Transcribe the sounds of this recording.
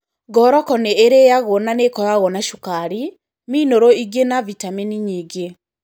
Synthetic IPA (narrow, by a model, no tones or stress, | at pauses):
ɡɔɾɔkɔneːɾejaɣɔnanekɔjaɣɔnaʃukaɾi | minoɾoiɡenavitaminiɲiːɡe